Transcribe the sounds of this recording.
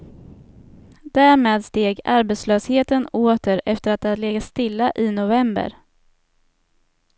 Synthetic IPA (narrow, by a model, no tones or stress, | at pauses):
d̪̥æːɾmeːd̪st̪eːɡaɾbeːt̪sløːsheːt̪ənoːt̪əɾɛft̪əɾat̪̚d̪ɛhad̪leːɡast̪ɪlːaʔɪnʊvɛmbə̰ɾ